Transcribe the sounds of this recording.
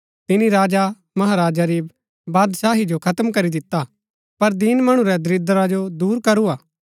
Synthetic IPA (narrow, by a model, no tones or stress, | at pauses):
t̪ɪniɾaːd͡ʒa | mɐɦaːɾaːd͡ʒaɾi | baːd̪saːɦid͡ʒokʰɐt̪mkɐɾid̪ɪt̪ːa | pɐɾd̪inmɐɽ̃ũɾɛd̪ɾɪd̪əɾad͡ʒod̪uːɾkɐɾuaː